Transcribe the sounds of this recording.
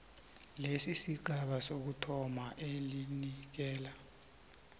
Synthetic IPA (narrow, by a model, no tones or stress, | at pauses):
lesisiɡʱaɓasok̬utʰɔmaʔelinik̬ɛːla